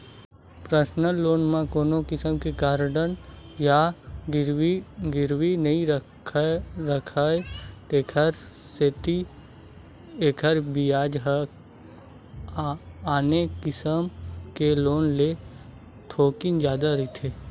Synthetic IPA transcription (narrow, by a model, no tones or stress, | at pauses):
pɾəsnəlːoːnmãkoːnokɪsəmkeɡaːɾɖənjaɾɡɪɾwinəĩɾʰ | ɾəkʰaːet̪eːkʰəɾ | seːt̪i | eːkʰəɾbijaːd͡ʒɦə | aːnekɪsəmkeloːnle | t̪ʰoːkɪnd͡ʒjaːd̪aɾɪt̪ʰeː